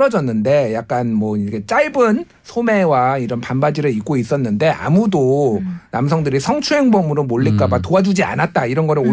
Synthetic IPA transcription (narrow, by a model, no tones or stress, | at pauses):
ɾʌd͡ʑʌnːɯnde̞jak̚k͈anmwʌikʰet͡ɕ͈aɭbɯn | sʰome̞waiɾʌnpanbad͡ʑiɾɯɭik͈̚ois͈ʌnːɯnde̞ʔa̰mudonams̬ʰʌŋdɯɾisʰʌŋt͡ɕʰuɦe̞ŋbʌmɯɾomoʎːik͈abatoad͡ʑud͡ʑia̰nat̚t͈aiɾʌnɡʌɾɯɭo